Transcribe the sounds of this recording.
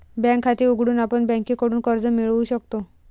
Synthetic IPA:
bɛ̃ŋkʰːat̪iuɡʱɽuːnapəɳbɛ̃ŋkikɔɽuːnkəɾd͡zəmiɭuɕəkt̪o

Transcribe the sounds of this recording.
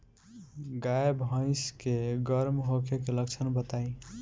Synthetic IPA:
ɡajbʱə̃ɪskeɡəɾmɦokekeləkt͡ʃʰənbət̪aĩ

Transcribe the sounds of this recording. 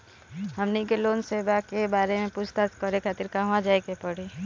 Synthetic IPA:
ɦəmnikeloːnseːbakebaːɾemẽput͡ʃʰt̪askɔɾekʰat̪ɪɾkaʋãd͡ʒaːekepəɽi

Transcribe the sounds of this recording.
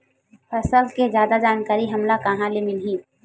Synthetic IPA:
pʰɐsəlkezjaːd̪ad͡ʒaːnkaːɾiɦɐmlakaɦãlemɪlɦĩː

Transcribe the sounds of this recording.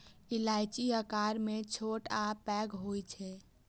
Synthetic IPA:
ɪlaːɪt͡ʃiəkaːɾmẽt͡ʃʰoʈapɛːɡɦoit͡ʃʰɛ

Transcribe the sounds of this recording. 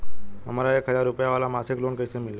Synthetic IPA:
ɦə̰malaekɦəd͡zaɾːupjaʋalamaseklonkəjsemilːe

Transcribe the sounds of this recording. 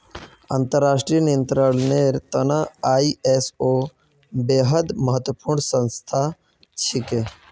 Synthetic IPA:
a̰nt̪əɾːaːsʈɾijənijə̃nt̪ɾəlneɾt̪ənaaːiesoː | beːɦəd̪məɦət̪wəpuːɾɳsə̃nst̪ʰa | t͡ʃʰɪke

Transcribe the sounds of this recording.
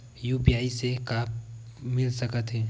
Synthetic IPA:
juːpiaːisekaːpmɪlsɐkət̪ɦɛː

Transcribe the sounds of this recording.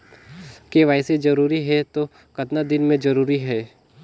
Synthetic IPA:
keʋaːɪsed͡ʒɐɾuːɾiɦɛt̪o | kɐt̪nad̪ɪnmẽd͡ʒɐɾuːɾiɦɛː

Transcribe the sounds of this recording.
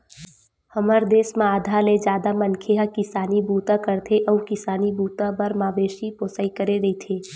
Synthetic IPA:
hɐməɾd̪eːsmãaːd̪ʱaled͡ʒjaːd̪amənkʰeɦakɪsaːnibuːt̪akəɾt̪ʰeʔɔkɪsaːnibuːt̪ãbɐɾmaːʋeːʃipoːsaikəɾeɾɐit̪ʰeː

